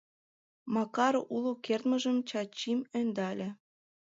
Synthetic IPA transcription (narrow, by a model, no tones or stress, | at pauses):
mɑkɑɾoʔulukert̪mə̆ʒəmt͡ɕɑt͡ɕimønd̪ɑlʲĕ